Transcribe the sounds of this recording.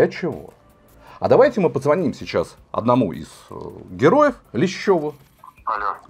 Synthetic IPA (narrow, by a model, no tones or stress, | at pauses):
ɐt͡ɕɪvo̰ | ɐ̰d̪ɐvajtʲɪmɨpəzvɐnʲimsʲɪt͡ɕːas | ɐ̰d̪nɐmuʔɪ̰z̥ɡʲɪɾo̞jəflʲɪɕːo̞vʊ | ɐlʲo